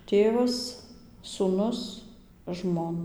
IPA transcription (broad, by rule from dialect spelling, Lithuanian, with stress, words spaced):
ˈtʲeːʋɐs suːˈnʊs ˈʒmoːn